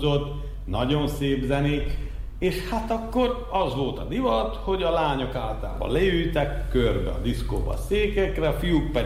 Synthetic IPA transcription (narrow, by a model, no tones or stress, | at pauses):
o̞t̪ː | nɒɟo̞nseːbzɛneːk | eːʃhat̪ɒkːo̞r | ɒzʋo̞lt̪ɒd̪ivɒt̪ho̞ɟɒlaːɲo̞kaːlt̪a̰ːbɒ̰lɛjyjt̪ɛkːørbɛ̰ɒ̰d̪isko̰ːbɒ̰seːkɛkrɛɒfijuk̚pɛ